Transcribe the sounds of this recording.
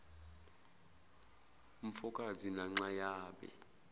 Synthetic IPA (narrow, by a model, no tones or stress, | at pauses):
um̩fɔkʼazinaŋ͡ǁajaːɓɛ̰